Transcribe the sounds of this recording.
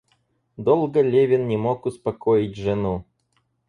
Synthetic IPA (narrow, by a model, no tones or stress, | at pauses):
d̪olˠɡəlʲevʲɪnnʲɪmokʊspɐkoɪtʲʐɨnu